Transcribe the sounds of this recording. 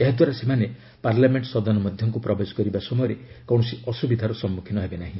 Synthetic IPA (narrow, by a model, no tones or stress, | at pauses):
eɦad̪waɾasemane | paɾlameɳʈsɔd̪ɔnɔmɔd̪ʱjɔŋkupɾɔbed͡ʒɔkɔɾibasɔmɔjɔɾe | kɔw̃ɔsiɔsubid̪ʱaɾɔsɔmːukʰinɔɦebenaɦĩ